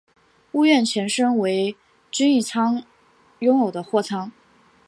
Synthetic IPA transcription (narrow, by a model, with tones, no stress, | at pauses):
u˥˧ɥɛ˥˩nt͡ɕʰjɛ˧˥nʂɤ˥ŋwe˧˥ɪ | t͡ɕy˥ni˥˩t͡sʰɑ˥ŋ | jʊ˥ŋjo˨˩ʊd̪ə˦xwɔ˥˩t͡sʰɑ˥ŋ